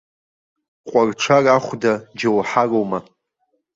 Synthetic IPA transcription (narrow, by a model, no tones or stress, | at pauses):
qʷʼarʈ͡ʂʰaraχʷdad͡ʒawħarowma